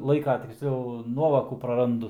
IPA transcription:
ˈlˠɐɪkɐ tʲɪksʲˈlʲɛʊ ˈnuɔʋoːkuː prɐˈrɐndʊ

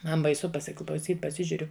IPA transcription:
ˈmɐn bɐɪˈsʊ pɐsʲɪklˠɐʊˈsʲiːt pɐˈsʲɪʒʲʊrʲʊ

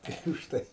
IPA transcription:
ˈtɐɪ ʊʃˈtɐɪ

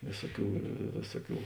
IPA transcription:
ˈʋʲeːsuɔˌkʲuː ˈʋʲeːsuɔˌkʲuː

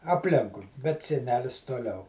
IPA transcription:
ɐpʲˈlʲɪŋkʊɪ bʲɛt sʲɛˈnʲæːlʲɪs toːˈlʲɛʊ

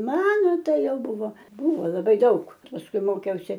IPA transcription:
ˈmɑːnoː ˈtɐɪ ˈjɛʊ ˈbʊʋoː ˈbʊʋoː lˠɐˈbɐɪ ˈdɐʊk pɐsˈkʊɪ ˈmoːkʲɛʊsʲɪ

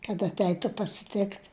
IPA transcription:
kɐt ɐtʲˈɛɪtʊ pɐsʲɪˈtʲɪkt

